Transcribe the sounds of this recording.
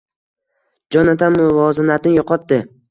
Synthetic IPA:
d͡ʒɒnat̪ʰamʊvɒzɪnat̪ʰɪnɪjoqʰɒt̪d̪ɪ

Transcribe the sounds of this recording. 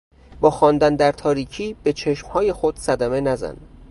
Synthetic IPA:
bɒːxɒːnd̪ænd̪æɾt̪ʰɒːɾiːcʰiːb̥e̞t͡ʃʰe̞ʃmhɒːje̞xo̞d̪̥sæd̪æme̞næzæ̰n

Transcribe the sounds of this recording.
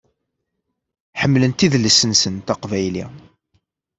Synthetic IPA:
ħəmːlənt̪iðləsənsənt̪æqvæjli

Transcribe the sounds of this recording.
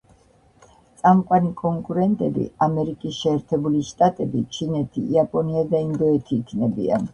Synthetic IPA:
tt̪sʼamqʼwanikʼɔŋkʼuɾɛnt̪ʼɛbḭamɛɾikʼisʃɛːɾt̪ʰɛbuliʃt̪ʼat̪ʼɛbit͡ʃʰinɛt̪ʰḭːapʼɔniad̪aind̪ɔɛt̪ʰiːkʰnɛbḭa̰n

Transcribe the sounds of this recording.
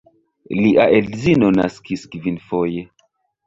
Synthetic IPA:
liʔaʔelzinona̰skiskvinfoje̞

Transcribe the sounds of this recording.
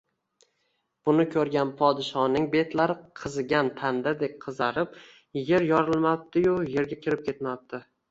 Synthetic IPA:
b̥ʊnɪkʲʰɵɾɡʲanpʰɒd̪ɪʃɒnɪŋbe̞t̪laɾɪqʰɨzɡʲant̪ʰand̪ad̪ek̚ʲqʰɨzaɾɪp̚ | je̞ɾjɒɾɪlˠmap̚t̪ɪjʊje̞ɾɡʲakʲʰɪɾɪp̚kʲʰe̞t̪map̚t̪ɪ

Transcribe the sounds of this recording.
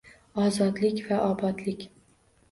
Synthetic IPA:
ɒzɒd̪lɪkʲvaʔɒbɒd̪lɪkʲ

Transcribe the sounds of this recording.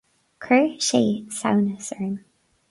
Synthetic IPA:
kʰɹəːʃeːsa̰wnəsəɹm

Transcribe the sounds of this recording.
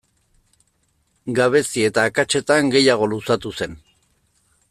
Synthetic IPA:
ɡaβ̞e̞sie̞t̪aːkat͡ʃe̞t̪aŋɡe̞jaɣ̞o̞lusat̪use̞n

